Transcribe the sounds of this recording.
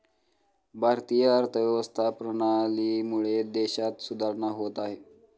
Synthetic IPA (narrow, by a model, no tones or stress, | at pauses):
bʱaɾt̪ijəːɾt̪ʰəʋjəʋəst̪ʰapɾəɽ̃aliːmuɭed̪eɕat̪sud̪ʱaɾɳaɦot̪aɦe